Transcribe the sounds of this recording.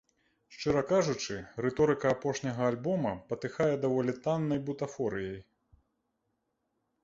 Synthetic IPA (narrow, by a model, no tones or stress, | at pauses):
ʂt͡ʂɨɾɐkaʐut͡ʂɨɾɛt̪ɔɾɨkɐːpɔʂnʲɐɣɐːlʲbɔmɐpɐt̪ɨxajɛd̪avɔlʲit̪anːɐjbut̪afɔɾɨjɛj